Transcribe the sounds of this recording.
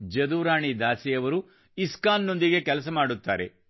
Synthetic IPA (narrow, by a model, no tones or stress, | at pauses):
d͡ʒɐd̪uːɾaːɳid̪aːsijɐʋɐɾu | iskaːnːo̞nd̪iɡe̞kɛlɐs̬ɐmaːɽut̪ːa̰ːɾe̞̰